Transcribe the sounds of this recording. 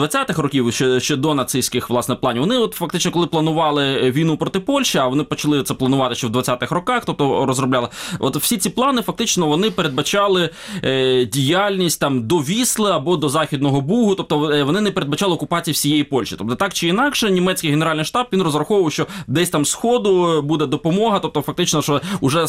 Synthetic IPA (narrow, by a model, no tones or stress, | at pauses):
d̪ʋɐt͡sʲat̪ɪxrɔkʲiwʃɛʃt͡ʃɛd̪ɔnɐt̪sɪjsʲkɪxʋlˠɑsnɛplˠɑnʲiʋɔnɪɔt̪fɐk̚t̪ɪt͡ʃnɔkɔlˠɪplˠɐnʊʋɑlˠɪʋʲijnupɾɔt̪ɪpɔlʲʃiɐʋɔnɪpɔt͡ʃɐlˠɪt̪sɛplˠɐnʊʋɑt̪ɪʃt͡ʃɔwd̪ʋɐt͡sʲat̪ɪxrɔkɑxt̪ɔp̚t̪ɔrɔzrɔblʲalˠɪɔ̰t̪w̥sʲit͡sʲiplˠɑnɪfɐk̚t̪ɪt͡ʃnɔʋɔnɪpeɾed̪̚bɐt͡ʃɑlˠɪ | dʲijalʲnʲisʲtʲt̪ɑmd̪ɔʋʲislˠɪɐbɔd̪ɔzɑxʲid̪̚nɔɦɔbuɦʊt̪ɔp̚t̪ɔʋɔnɪnɛpeɾed̪bɐt͡ʃɑlˠɪɔkʊpɑt͡sʲijɐwsʲijejipɔlʲʃit̪ɔpt̪ɔt̪ɑkt͡ʃɪinɑkʃɛnʲimɛt͡sʲkɪjɦeneɾɑlʲnjʃt̪ɑbʋʲinrɔzɾɐxɔʋʊʋɐwʃt͡ʃɔd̪ɛsʲt̪ɑmsxɔd̪ʊbud̪ɛd̪ɔpɔmɔɦɐt̪ɔp̚t̪ɔfɐkt̪ɪt͡ʃnɔʃɔʊʒɛ